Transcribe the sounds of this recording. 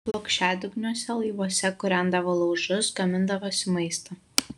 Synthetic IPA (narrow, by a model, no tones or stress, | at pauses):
blˠokʃʲæːd̪ʲʊɡnʲoːsʲɛlˠɐɪʋoɔsʲɛkʊɾʲæˑnd̪ɐʋolˠɐʊʒʊsɡɐmʲɪnd̪ɐʋoːsʲɪmɐɪst̪ɐ